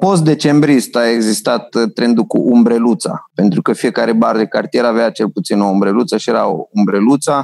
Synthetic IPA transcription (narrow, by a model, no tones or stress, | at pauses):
po̞st̪̚d̪e̞t͡ʃe̞mbɾist̪ae̞ɡzist̪at̪ːɾe̞nd̪ukṵʔumbɾe̞lut̪sa̰pe̞nt̪ɾukəfije̞kaɾe̞baɾd̪ekart̪ieɾaveat͡ʃe̞lput̪sinoumbɾe̞lut̪səʃie̞ɾaoumbɾe̞lut̪sa